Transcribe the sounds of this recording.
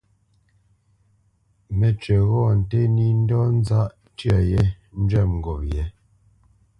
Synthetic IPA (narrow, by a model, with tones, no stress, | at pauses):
mɛ˨t͡ʃɛ˨ɣɔ˦˨n̩˨te˦ni˦n̩˦dɔ˦n˦za˦ʔ | tɰa˨jɛ˦ | n̩˦d͡ʒɥɛ˦˨mŋ̩˨ɡɔ˨p̚jɛ˨˦